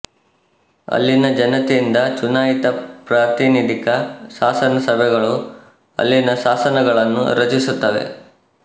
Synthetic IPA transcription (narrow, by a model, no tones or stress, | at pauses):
ɐ̰lːinɐd͡ʒɐnɐt̪eind̪ɐt͡ʃunaːjit̪ɐpɾat̪inid̪ʱikɐsaːsɐnɐsɐbʱɛɡɐɭu | ɐ̰lːinɐʃaːsɐnɐɡɐɭɐnːṵɾɐt͡ʃisut̪ːɐʋe̞̰